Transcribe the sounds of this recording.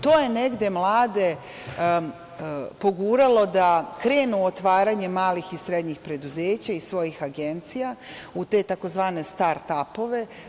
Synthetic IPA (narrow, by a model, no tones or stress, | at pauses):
t̪o̞ːje̞ne̞ɡd̪e̞mlˠaːd̪e̞ | po̞ɡuːɾalo̞d̪akɾe̞ːnuot̪ʋaːɾaɲe̞maːlixisɾed̪ɲixpɾe̞d̪uzeːt͡ɕaisʋo̞jixaɡe̞nt̪sijaut̪e̞ːt̪ako̞zʋaːne̞st̪aɾt̪apo̞ʋe̞